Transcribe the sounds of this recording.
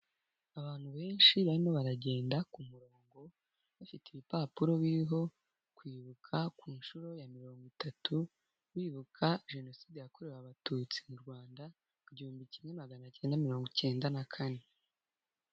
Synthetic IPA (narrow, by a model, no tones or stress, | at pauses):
aβaːn̥huβe̞ːnʃiβaɾimo̞βaɾaɟe̞ːndakumuɾo̞ːŋɡo̞ | βafiteβipaːpuɾo̞βiɾiɦo̞ | kwiːβukʰakuːnʃuɾo̞jamiɾo̞ːŋɡitatʰu | wiːβukʰaʒe̞no̞siːdejako̞ɾe̞ɾaβatut͡si̥muɾɡwaːnda | kuɟihuːmbicimɲe̞maɡanaceːndamiɾo̞ːŋɡoce̞ːndanakʰane